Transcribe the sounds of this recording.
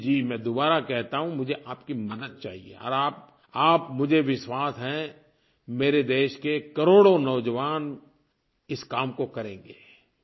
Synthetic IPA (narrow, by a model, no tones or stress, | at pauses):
d͡ʒiːmɛ̃ːd̪oːbaːɾakɛɦt̪aɦũmʊd͡ʒʱeʔaːpkimɐd̪ət̪̚t͡ʃa̰ːɦiḛɔ̰ːɾaːp̚ | aːpmʊd͡ʒʱeʋɪʃwaːsɦɛ̃ | meːɾed̪eːʃkekɐɾoːɽonɐʋd͡ʒəʋaːn | ɪskaːmkokɐɾẽːŋɡeː